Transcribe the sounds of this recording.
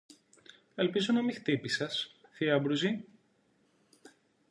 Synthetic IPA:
elpizonɐmixt̪ipisɐsθiɐbɾuzi

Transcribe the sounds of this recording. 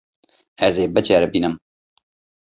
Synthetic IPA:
ɛzeːbɨt͡ʃɛːɾɛbiːnɨm

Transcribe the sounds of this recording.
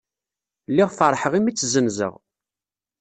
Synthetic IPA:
lːiʁfəɾˤħəʁimit͡sːzənzə̰ʁ

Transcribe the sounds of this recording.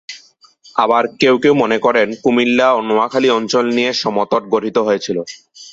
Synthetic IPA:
abaɾkewkewmonekɔɾenkumilːaonoakʰaliɔnt͡ɕolnijeʃɔmot̪oʈ̚ɡoʈʰit̪oɦoet͡ɕʰilo

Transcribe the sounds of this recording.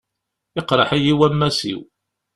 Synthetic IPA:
ɪqɾˤɑħæjiwæmːæsḭw

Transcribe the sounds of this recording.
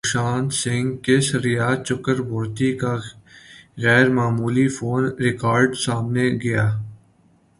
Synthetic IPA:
ʃaːnsɪ̃ŋɡkesəɾɪjaːt͡ʃʊkəɾboːɾt̪ika | ɣɛːɾmaːmuːlifoːnɾɪkaːɾɖsaːmneɡɐjaː

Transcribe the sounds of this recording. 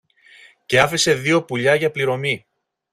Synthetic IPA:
ce̞ɐfise̞ðio̞puʎɐʝɐpliɾo̞mi

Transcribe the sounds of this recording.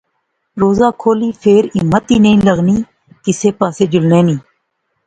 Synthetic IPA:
ɾoːzaːkʰoːliːpʰeːɾɪmət̪iːnəĩːləɣniː | kɪseːpaːseːd͡ʒʊlnẽːnĩː

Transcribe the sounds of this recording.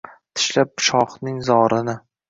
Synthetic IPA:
t̪ʰɪ̥ʃlap̚bʃɒχnɪŋzɒɾɪnɪ

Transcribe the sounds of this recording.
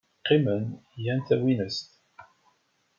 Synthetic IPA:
qːimənjænt̪æwinəst̪

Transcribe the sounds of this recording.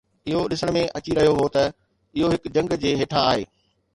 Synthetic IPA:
ɪɦoɗɪsəɽ̃mẽʔɐt͡ɕiɾɐɦijoɦot̪ɐ | ɪɦoɦɪkd͡ʑɐ̃ŋɡd͡ʑeːɦeːʈʰaːɦḛː

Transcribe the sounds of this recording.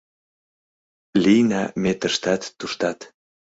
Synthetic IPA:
lʲijnɑ̰met̪əʃt̪ɑt̪ːuʃt̪ɑt̪

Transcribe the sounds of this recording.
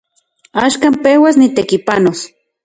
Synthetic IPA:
aʃkaːmpewasnit̪ekipanos

